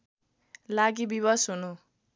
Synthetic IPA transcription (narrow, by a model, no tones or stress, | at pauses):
laɡibibʌsɦunu